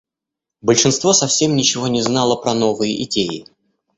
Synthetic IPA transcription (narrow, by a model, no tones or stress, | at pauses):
bəlʲʂɨnst̪vo̞sɐfsʲe̞mnʲɪt͡ɕɪvo̞nʲɪznɑlˠəpɾɐno̞vɨjəʔɪdʲejɪ